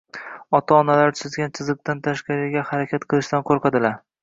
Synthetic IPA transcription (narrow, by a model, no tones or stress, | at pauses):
ɒt̪ʰaɒnalaɾt͡ʃ̪ʰɪzɡʲant͡ʃʰɪzɨq̚t̪ant̪ʰaʃqɑɾɪɡʲahaɾakʲʰat̪qʰɨlˠɪʃt̪ankʰoɾqʰad̪ɪlaɾ